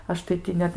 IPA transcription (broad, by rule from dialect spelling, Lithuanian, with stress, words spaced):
ˈɐʃ tɐɪ ˈtʲɪ nʲɛt